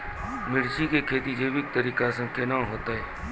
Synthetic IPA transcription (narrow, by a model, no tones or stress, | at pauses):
mɪɾt͡ʃikekʰeːt̪id͡ʒeːbɪk̚t̪əɾiːkasẽkenãɦoːt̪aɦɛː